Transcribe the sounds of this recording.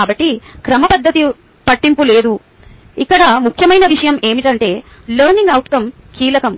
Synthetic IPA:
aːbɐʈːikɾɐmɐpɐd̪ːɐt̪i | pɐʈːimpule̞ːd̪u | ikːɐɽɐmukʰjɐmɐjnɐʋiʂɐjɐme̞ːmiʈɐɳʈe̞ː | lɐɾniŋɡɐwʈkɐm | kiːlɐkɐm

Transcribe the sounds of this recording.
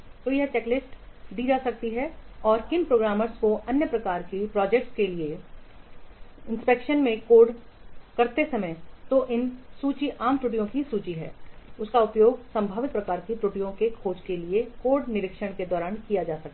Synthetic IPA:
t̪ojɐɦt͡ʃɛːklɪsʈd̪iːd͡ʒaːsɐk̚t̪iɦɛɔːɾkɪnpɾoːɡɾaːməɾskoʔɐnjəpɾɐkaːɾkipɾɔːd͡ʒɛk̚ʈskelie | ɪ̃nspeːkʃənmẽkoːɖ | kɐɾt̪esɐmət̪oʔɪnsuːt͡ʃiʔaːmʈɾuːʈ̬ijõkisuːt͡ʃiɦɛ̰ːʊskaʊpjoːɡsɐ̃mbʱaːʋɪt̪̚pɾɐkaːɾkiʈɾuːʈijõkekʰoːd͡ʒkeliekoːɖnɪɾɪkʃəɽ̃ked̪ɔːɾaːnkijad͡ʒaːsɐk̚t̪ːa

